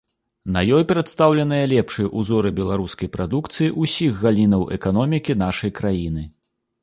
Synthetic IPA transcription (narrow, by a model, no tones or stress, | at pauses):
nɐjɔjpʲɾɛt̪st̪awlʲɐn̪ɨjɐlʲɛpʂɨjɛʔuzɔɾɨbʲɛlˠaɾuskɐjpɾʔad̪ukt̪sɨjiʔusʲiɣɣalʲinɐwʔɛ̰kan̪ɔmʲikʲin̪aʂɐjkɾajinɨ